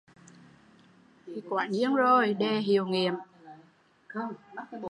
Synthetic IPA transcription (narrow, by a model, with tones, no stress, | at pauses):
i˧˨˩kwaː˧˨˩nɲɨ˧əŋzo˨˩jɗe˨˩ɦi˨əwŋi˧˩˨əm